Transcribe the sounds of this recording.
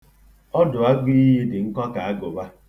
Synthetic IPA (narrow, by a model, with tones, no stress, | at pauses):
ɔ˦dʊ˨a˦ɡ͡bi˦ji˦dɪ˨ŋ̩˦kɔ˦ka˨a˦ɡo˨ba˦